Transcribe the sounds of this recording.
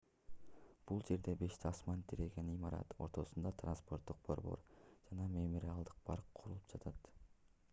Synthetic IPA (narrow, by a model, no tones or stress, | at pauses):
b̥ulˠd͡ʒe̞ɾd̪e̞be̞ʃt̪iɑsmɑnt̪ʰiɾeɡenimɑɾɑ̰t̪o̞̰ɾt̪o̞sund̪ɑt̪ranspo̞rt̪ːuq̚b̥o̞̰ɾbo̞̰ɾd͡ʒɑnɑmemoɾʲialˠd̪ɯq̚pʰɑɾqqʰuɾulˠup̚d͡ʒɑt̪ʰɑt̪